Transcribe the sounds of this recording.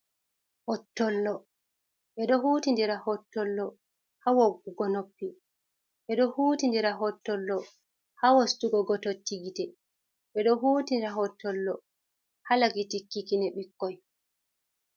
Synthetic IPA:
hɔtːɔlːɔ | ɓɛɗɔhuːtindiɾahɔtːɔlːɔ | hawoɡːuɡɔnopːi | ɓɛɗɔhuːtindiɾaɦɔtːɔlːɔ | hawostuɡɔɡɔtotːiɡitɛ | ɓɛɗɔɦuːtindɾaɦɔtːɔlːɔ | halaɡitikːikinɛɓikːɔj

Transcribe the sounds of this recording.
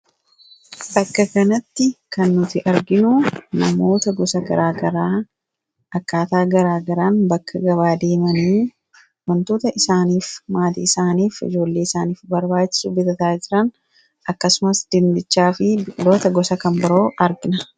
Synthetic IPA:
bɐkːɐkɐnɐt̪ːɪkɐnːʊt̪ɪʔɐɾɡɪnʊnɐmo̞ːt̪ɐɡɔsɐɡɐɾʔaːɡɐɾaː | ʔɐkːaːt̪aːɡɐɾaːɡɐɾaːnbɐkːɐɡɐβaːd̪e̞ːmɐniː | wɐnt̪o̞ːt̪ɐʔɪsaːniːfmaːt̪ḭɪsaːniːfɪ̰d͡ʒo̞ːlːeːɪsaːniːfbɐɾbaːt͡ʃːɪ̥subɪt̪ɐt̪aːd͡ʒɪɾɐn | ʔɐkːɐsʊmɐsd̪̥ɪnd̪ɪt͡ʃːaːfɪbɪlo̞ːt̪ɐɡɔsɐkɐmbɐɾo̞ːʔɐɾɡɪnɐ

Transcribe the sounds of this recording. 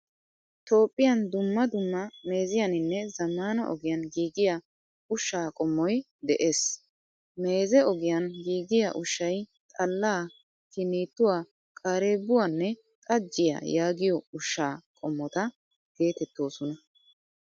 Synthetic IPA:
t̪o̞ːpʼːɪjɐnd̪ʊmːɐd̪ʊmːɐme̞ːzɪjɐnɪnːɛzɐmːaːnɐ̰ʔɔ̰ɡɪjɐnɡiːɡɪja | ʊʃːaːkʼɔmːɔj | d̪ɛʔeːs | me̞ːzɛɔɡɪjɐnɡiːɡɪjɐ̰ʔʊʃːɐjt̪ʼɐlːaː | kɪniːt̪ːʊwaː | kʼaːɾeːbːʊwanːɛ | kʼɐd͡ʒːɪja̰jaːɡɪjɔʊʃːaːkʼɔmːɔt̪ɐ | ɡ̥e̞ːt̪ɛt̪ːo̞ːsɔnɐ

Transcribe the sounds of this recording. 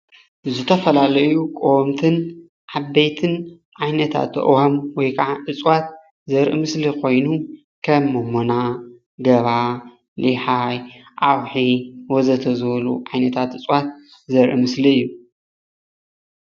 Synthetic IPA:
zɨt̪ʰɐfɐlalɐjukʼomt̪ʰɨn | ʕabːejt̪ʰɨn | ʕajnɐt̪ʰa̰t̪ʔwamwɔjkʰaʕaʔɨt͡sʼwat̪̚ | zɐɾʔɨ̰mɨslikʰo̞jnu | kʰɐmːomona | ɡɐβa | liħajʔawħiwɔzɐt̪ʰɐzβɐlṵʕajnɐt̪ʰat̪ɨt͡sʼwat̪̚ | zɐɾʔimɨsliɨjːu

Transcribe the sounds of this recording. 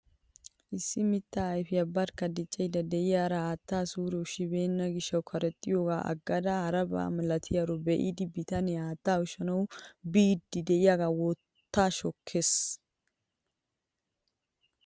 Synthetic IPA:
ʔɪsːɪmɪt̪ːaːɐjfɪjɐbːɐɾkːɐd̪ɪt͡ʃʼːɛjd̪ɐd̪ɛʔɪjaːɾɐaːt̪ːaːsuːɾɛʊʃɪbe̞ːnːɐɡɪʃːɐwkʰɐɾɛt̪ʼːɪjoːɡa̰ːʔɐ̰ɡːɐd̪ɐhɐɾɐba̰ːmlɐt̪ʰɪjaɾɔbɛʔɪ̰d̪ɪbɪt̪ɐnɛaːt̪ːaːʊʃɐnɐwbiːd̪ːɪd̪ɛʔɪjaːɡaːwɔtt̪ːaːʃɔkʰːe̞ːs

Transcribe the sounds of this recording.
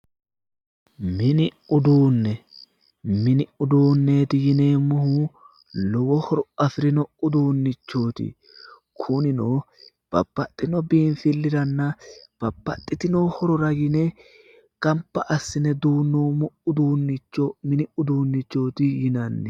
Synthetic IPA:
mɪnɪʊd̪uːnːɛ | mɪnɪʊd̪uːnːeːt̪ɪjɪne̞ːmʊhu | lɔwɔhɔɾɔɐfɾɪnɔʊd̪uːnːɪt͡ʃːoːt̪ɪ̰ | kʰʊnɪnoː | b̥ɐ̰bːɐt̪ʼːɪnɔbiːnfɪlːɪɾɐnːɐb̥ɐbːɐt̪ʼːɪt̪ɪnoːhɔɾɔɾɐɡɪne | kɐmpːɐʔɐsːɪnɛd̪uːnːoːmɔʊd̪uːnːɪt͡ʃːomɪnɪʊd̪uːnːɪt͡ʃːoːt̪ɪjɪnɐnːɛ

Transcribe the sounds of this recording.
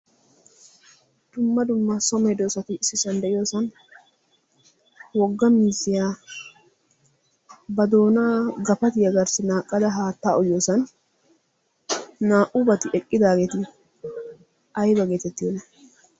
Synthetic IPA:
d̪̥ʊmːɐd̪ʊmːɐsɔmɛd̪oːsɐt̪ɪɪsːɪsɐnd̪ɛʔɪjo̞ːsɐn | wɔɡːɐmiːzɪjaː | bɐd̪o̞ːnaːɡɐfɐt̪ɪjɐɡɐɾsɪnaːkʼːɐd̪ɐɦaːt̪ːaːɔjjoːsɐn | aːʔʊbɐt̪ɪʔɛkʼːɪd̪aːɡeːt̪ɪ | ʔɐjbɐɡe̞ːt̪ɛt̪ːɪjonːɐ

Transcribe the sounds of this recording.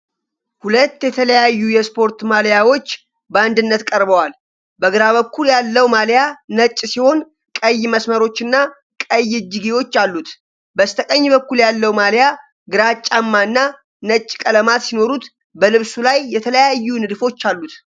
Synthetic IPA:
hulət̪ːjɛt̪ʰələjajːujɛspʰo̞ɾt̪maljawo̞t͡ʃː | bəand̪ɨnːət̪kʼəɾbəwal | bəɡɨɾaβəkːuljalːəwmaljanət͡ʃʼːsiho̞n | kʼəjːməsməɾo̞t͡ʃːɨnːa | kʼəjɪd͡ʒiɡewo̞t͡ʃːalːut̪ | bəst̪ʰəkʼəɲːbəkːuljalːəwmalja | ɡɨɾat͡ʃʼːamːaɨnːa | nət͡ʃʼːkʼələmat̪sino̞ɾut̪ | bəlɨβsulajːɛt̪ʰələjajːunɨd̪fo̞t͡ʃːalːut̪

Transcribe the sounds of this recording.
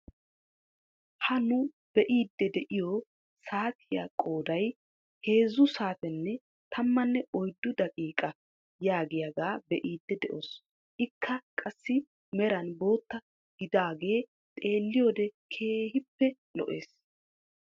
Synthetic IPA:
hɐnʊ | b̥ɛʔiːd̪ːɛd̪ɛʔɪjo | saːt̪ʰɪja̰kʼo̞ːd̪ɐj | he̞ːzʊsaːt̪ɛnːɛ | t̪ʰɐmːɐnːɛʔɔjd̪ːʊd̪ɐkʼiːkʼɐ | jaːɡɪjɐɡaːbɛʔiːd̪ːɛd̪ɛʔo̞ːs | ʔɪkʰːɐkʼɐsːɪ | mɛɾɐnbo̞ːt̪ːɐ | ɡ̥ɪd̪aːɡe̞ː | t̪ʼe̞ːlːɪjoːd̪ɛkʰe̞ːhɪpːɛ | lɔ̰ʔe̞ːs

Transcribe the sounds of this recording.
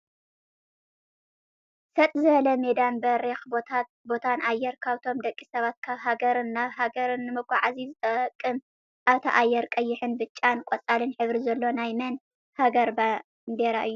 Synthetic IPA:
sɐt̪ʼzɨβɐlɐmed̪anbɐɾexb̪ʰa | bo̞t̪ʰanʔajːɛɾkʰaβt̪ʰo̞md̪ɐkʼːisɐβat̪̚kʰaβɦaɡɐɾɨnːaβɦaɡɐɾɨnːɨmɨkʰʷʼaʕazizɨt̪ʼɐkʼːɨm | ʔaβt̪ʰɐʔajːɛɾkʼɐjːɪħɨnbɨt͡ʃʼːankʷʼɔt͡sʼalɨnħɨβɾizɐlːo̞najmɐn | haɡɐɾba | nd̪eɾaʔɨjːu

